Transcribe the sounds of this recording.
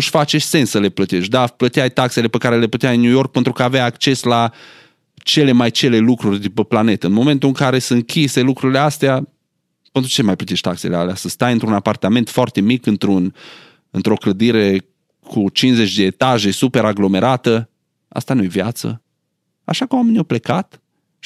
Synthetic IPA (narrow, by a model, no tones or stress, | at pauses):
nuʃfat͡ʃeʃt̪ʲse̞nsəle̞plət̪eʃʲd̪aplət̪iajt̪akse̞le̞pekaɾele̞put̪eainjujo̞rk̚pe̞nt̪ɾukəaːvajakt͡ʃe̞sla | t͡ʃe̞le̞majt͡ʃe̞le̞lukɾurʲd̪upəplane̞t̪əɨnmo̞me̞nt̪uɨŋkaɾe̞səŋkʲise̞lukɾuɾileast̪ea | pent̪ɾut͡ʃe̞majplət̪eʃt̪ʲt̪akse̞lea̰leasəst̪ajɨnt̪ɾunapart̪ame̞nt̪foart̪e̞mikɨnt̪ɾun | ɨnt̪ɾo̞kləd̪iɾe̞ | kʰut͡ʃinze̞t͡ʃʲd̪e̞ːt̪aʒe̞supe̞ɾaɡlo̞me̞ɾat̪ə | a̰st̪anuje̞vjat̪sə̰ | a̰ʃakəmwameniawple̞kat̪